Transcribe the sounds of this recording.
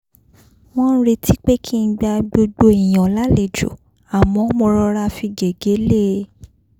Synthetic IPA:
w̃ɔ̃˦ɾe˧tʰi˦k͡pe˦kʰi˦˧˦ɡ͡ba˧ɡ͡bo˧ɡ͡bo˧e˨j̃ã˨la˨˦le˨d͡ʒo̰˨ | a˨mɔ̃˨˦mɔ̃˧ɾɔ˧ɾa˧fi˧ɡe˨ɡe˨˦le˦˨˦

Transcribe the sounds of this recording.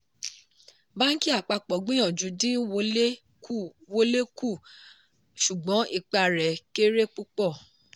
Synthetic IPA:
ba˦n̩˦ki˦a˦˨k͡pa˧k͡pɔ˨ɡ͡bĩ˦j̃ɔ̃˦˨d͡ʒu˨˧˦dĩ˦wo˧˦le˦ | ku˦˨wo˧le˦ku˦˨ | ʃu˨ɡ͡bɔ̃˨˦ʔi˦˨k͡pa˧ɾɛ˨ke˦ɾe˦k͡pu˦k͡pɔ˦˨

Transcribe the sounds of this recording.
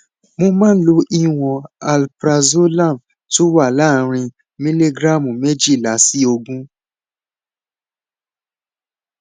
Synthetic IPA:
mõ˧mãː˦lo˧˦ʔi˦w̃ɔ̃˧a˨lpɾa˧zo˦lã˦˨m | to˦wa˦˨la˦˨ɾ̃ĩ˧ | mĩ˦le˦ɡɾa˦˨mũ˨me˦d͡ʒi˦˨la˨˦si˦o˧ɡũ˦

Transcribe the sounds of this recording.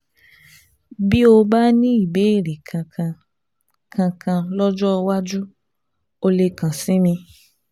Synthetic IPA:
bi˦o˧ba˦nĩ˦i˦˨be˨˦i˦˨ɾi˨kʰã˧kã˧ | kʰã˧kʰã˧lɔ˦d͡ʒɔ˦˧wa˦d͡ʒu˦ | o˧le˧˨kã˨sĩ˨˦mĩ˧

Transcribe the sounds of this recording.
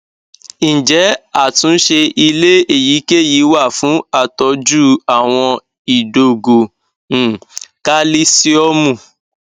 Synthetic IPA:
d͡ʒɛ˨˦a˦˨tũ˨˦n̩˦ʃe˧i˧le˦e˦˨ji˨˦ke˦˨ji˨˦wa˦˨fũ˨˦a˦˨tɔ˧d͡ʒu˦a˦˨w̃ɔ̃˧ | i˨do˨ɡõ˨ | ka˦li˦si˦ɔ˦mũ˦˨

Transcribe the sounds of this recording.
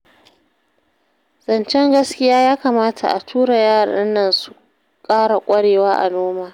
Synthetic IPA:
z̥ɐ˨nt͡ʃɛ˦ŋɡɐ˦skʲɪ˦jaː˦jaː˦kaː˨maː˦tʰa̰˨ʔa̰˨tʰuː˦ɽa˨jaː˦ɾa̰˨ɗɪ˦nːɐ˦nsu̥˨ | kʼaː˦ɽa˨kʷʼɐ˦ɽeː˨waː˦ʔa̰˨noː˦maː˨

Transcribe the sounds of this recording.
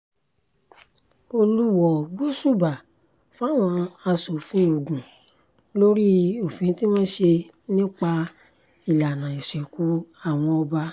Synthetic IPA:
o˧lu˦wɔ˦˨bo˦su˦˨ba˨ | fa˦˨w̃ɔ̃˧a˧so˨fũ˨˦o˨ɡũ˨ | lo˦ɾi˦o˨fĩ˨˧˦ti˦mãː˦ʃe˧ | nĩ˦k͡pa˧ | i˨la˨nã˨i˨ʃɛ˨ku˨˦a˦˨w̃ɔ̃˧ɔ˧ba˧

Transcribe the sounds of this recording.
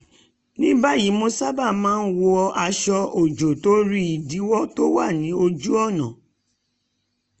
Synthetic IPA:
nĩ˦ba˦ji˨˦mo˧sa˦ba˦˨mãː˦˧n̩˦wo˧ɔ˧a˧ʃɔ˧o˨d͡ʒo˨to˨˦ɾi˦i˨di˨˦wɔ˦to˦wa˦˨nĩ˨˦o˧d͡ʒu˦ɔ˦˨nã˨

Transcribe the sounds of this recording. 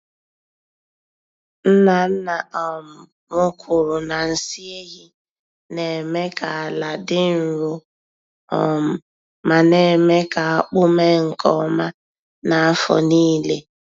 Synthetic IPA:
n̩˦na˨n̩˦na˨ʔɔ˨mʊ˨ | mʊ˦kʰʊ˨ɾʊ˨na˨n̩˨si˦e˦ɣi˦ | ne˨me˦ka˨la˨dɪ˦n̩˨ɾʊ˦ | ɔ̰˨mʊ˨ | ma˨ne˨me˦ka˨a˦k͡pʊ˦me˦ŋ̩˨kɔ˦ma˦ | na˨˦fɔ̰˨niː˦le˦

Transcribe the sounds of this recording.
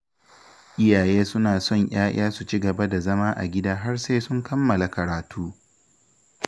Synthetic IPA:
ʔɪ˦jaː˨jeː˦sʊ˦naː˨sɔ˦˨ɲj̰aː˦j̰aː˦su˨t͡ʃi˦ɡɐ˨ba˦da˨zɐ˦maː˦ʔa̰˨ɡʲɪ˦daː˦ɦa˦rseː˦sʊ˦ŋkɐ˦mːɐ˨la˨kɐ˨ɾaː˨tuː˦

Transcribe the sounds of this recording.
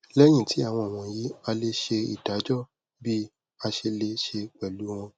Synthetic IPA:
lɛ˦j̃ĩ˦˨ti˨˦a˦˨w̃ɔ̃˧˨w̃ɔ̃˧ji˦a˧le˧ʃe˧ḭ˨d̥a˨˦d͡ʒɔ˦˨ | bi˦ | a˧ʃe˧le˧ʃe˧k͡pɛ˨lu˨˦w̃ɔ̃˧

